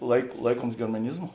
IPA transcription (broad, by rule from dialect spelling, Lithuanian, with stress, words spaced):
lˠɐɪk ˈlˠɐɪkuɔms ɡʲɛrmɐˈnʲɪzmʊ